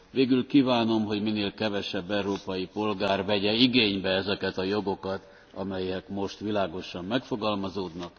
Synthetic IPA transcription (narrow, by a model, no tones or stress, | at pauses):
veːɡylkiːvaːno̞mɦo̞ɟmineːlkɛvɛʃɛbːɛuɾoːpɒjipo̞lɡaːrvɛɟɛiɡeːɲbɛɛzɛkɛt̪ɒjo̞ɡo̞kɒt̪ | ɒ̰mɛjɛkmo̞ʃt̪ʋilaːɡo̞ʃɒmːɛkfo̞ɡɒlmɒzoːd̪nɒk